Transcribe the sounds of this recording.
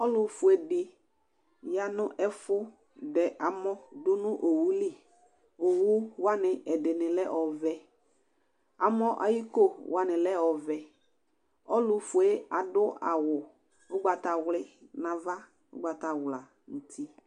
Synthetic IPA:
ɔ˦lʊ˨fʊ˨ɛ˨dɪ˨ | ja˨nʊ̃˦ʔɛ˦fʊ˦ | dɛ˨ʔa˨mɔ˦dʊ˦nʊ̃˦ʔo˨wu˦li˦˨ | o˨wu˦wa˦nɪ˨ʔɛ˨dɪ˨nɪ̃˨lɛ˦ʔɔ˨vɛ˦ | a˨mɔ˦ʔa̰˨ji˦ko˦wa˦nɪ̃˨lɛ˦ɔ˨vɛ˨ | ɔ˦lʊ˨fʊ˨e˦a˨dʊ˦a̰˨wʊ˨ | ʊ˦ɡ͡ba˨ta˨wlɪ˦nã˨va˦ | ʊ̰˦ɡ͡ba˨ta˨wla˨ | n̩˨tʰi˦

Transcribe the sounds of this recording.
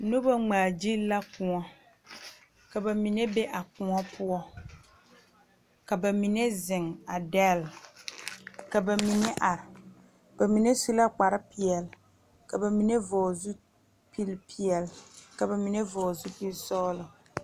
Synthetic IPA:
no˦ba˦ŋ͡maː˨d͡ʒi˦la˦kʊ˨ŋɔ˦ | ka˨ba˨mi˨ne˦be˦ʔa˨kʊ˨ŋɔ˦pʰʊ˦ɔ˦ | ka˨ba˨mi˨ne˦zɪ˨ŋa˨dɛ˦˨l | ka˨ba˨mi˨ne˦ʔa˨ɾɪ˨ | b̥a˨mi˨ne˦su˦la˦k͡pa˨ɾɪ˦pi˨ɛ˨l | ka˨ba˨mi˨ne˦vɔː˨zu˦ | pi˦lpʰi˨ɛ˨lka˨ba˨mi˨ne˦vɔː˨zu˦pi˦lsɔː˦lʊ˨

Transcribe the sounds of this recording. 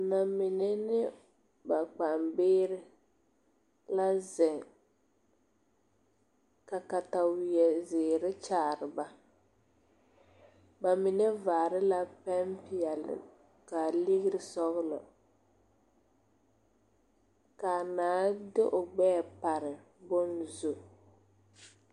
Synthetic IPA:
na˨mɪ˨nɛ˦nɪ˦ | ba˨k͡pa˨mbɪː˦ɾɪ˦ | la˦zɪ˨ŋ | ka˨ka˨ta˨wɪ˨ɛ˨zɪː˨ɾɪ˦t͡ʃaː˨ɾɪ˨ba˦ | ba˨mɪ˨nɛ˦va˨ɾɪ˦la˦pɛ˦mpi˨ɛ˨lɪ̰˨ | ka˨li˦ɣɪ˦ɾɪ˨sɔ˦ɣʊ˦lɔ̰˨ | ka˨naː˦dɪ˦ʔʊ˨ɡ͡bɛ˦˨pa˨ɾɪ˨ | bʊ˦nzu˨

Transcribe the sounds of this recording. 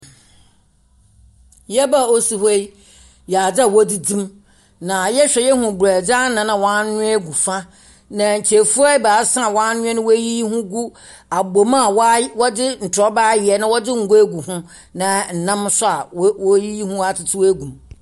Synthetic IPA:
jɛ˦ba˦˨o˦si˨he˦i˦ | ja˨d͡za˦˨wɔ˦di˦dĩ˦m | nã˨jɛ˦ɕᶣɛ˨jɛ˦ɦʊ̃˨ɡæ˨d͡za˦nã˨nã˨wɔ̃˦n˦nʊ̃˦ɛ˦ɡu˨fa˦ | nã˨ɲ̩˨t͡ɕʰe˨fu˦a˦baː˨˦sã˦˨wɔ̃˦n˦nʊ̃˦ɛ˦nʊ̃˦wɔ˦ji˦i˦hʊ̃˦ɡu˦ | a˨ɡ͡bo˨mã˦˨wwɔ˦dɪ˦n̩˨tʰɔ˦ba˦jɪ˨ɛ˨nã˦wɔ˦dɪ˦ŋ̩˨ɡo˦e˦ɡu˨hʊ̃˦ | nã˨n̩˨nã˦msʊ˦a˨˦wji˦ji˦hũ˦a˨tʰɪ˦tʰɪ˦we˦ɡũ˨m

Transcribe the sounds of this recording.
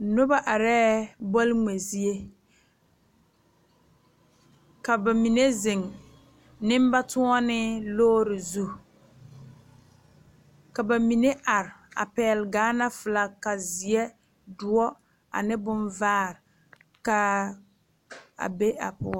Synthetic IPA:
nʊ˦ba˦ʔa˨ɾɛː˦bɔ˦lŋe˨zi˦e˦ | ka˨ba˨mi˨ne˦zɪ˨ŋ | nɪ˦m˦ba˦tʊ˦ɔ˦nɪ˦loː˦ɾɪ˨zu˦ | ka˨ba˨mi˨ne˦ʔa˨ɾɪ˨a̰˨pɛː˨˦˨lɡaː˨˦na˦fɪ˨la˨ka˨zi˨e˦ | dʊ˨˦ɔ˦ | a̰˨nɪ˦bʊ˦nvaː˦˨ɾɪ˨ | ka˦ | a̰˨be˦a̰˨pʊ˦

